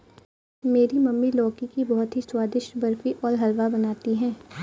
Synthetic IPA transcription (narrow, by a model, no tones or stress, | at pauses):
meːɾimɐmːilɔːkikibɔɦʊt̪ɦiswaːd̪ɪʃbɐɾfiʔɔːɾɦɐlʋabɐnaːt̪iɦɛ̃ː